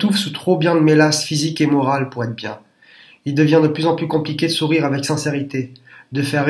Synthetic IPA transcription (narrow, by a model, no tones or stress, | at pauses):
t̪ufsut̪χobjɛ̃d̪əmelasfizikemɔʁalpuʁɛt̪χbjɛ̃ | ild̪əvjɛ̃d̪əplyzɑ̃plykɔ̃plikʲed̪əsuʁiʁavɛksɛ̃seʁit̪ed̪əfɛʁ